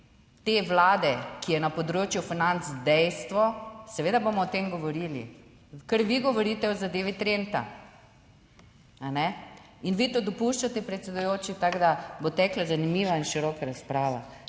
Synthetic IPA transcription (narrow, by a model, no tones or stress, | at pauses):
t̪eʋlaːd̪ɛkijɛnapɔd̪ɾoːt͡ʃjufinant̪zd̪ɛjst̪ʋɔsɛʋeːd̪aboːmɔːt̪emɡɔʋɔɾiːlḭ | kəɾʋiɡɔʋɔɾiːt̪ɛɔzad̪eːʋit̪ɾent̪a̰ | anɛ | inʋit̪od̪ɔpuʃt͡ʃat̪ɛpɾɛt̪sɛd̪ʊjoːt͡ʃit̪aɡd̪abot̪ɛklazanimiːʋainʃiɾɔːkaɾaspɾaːʋa